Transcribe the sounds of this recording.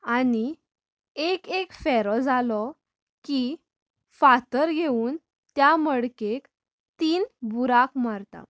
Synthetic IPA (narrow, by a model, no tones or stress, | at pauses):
ani | ekekfɛɾɔd͡zalɔ | ki | fat̪əɾɡʱeuːn | t̪jaməɽkek | t̪iːnbuɾakmaɾt̪a̰